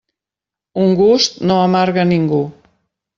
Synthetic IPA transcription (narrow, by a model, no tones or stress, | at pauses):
uŋɡust̪noəmaɾɣəniŋɡu